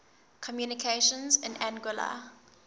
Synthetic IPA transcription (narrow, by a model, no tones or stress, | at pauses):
kʰɔmjunɪkʰeʃə̃nzɪ̃næ̃nɡʊla̰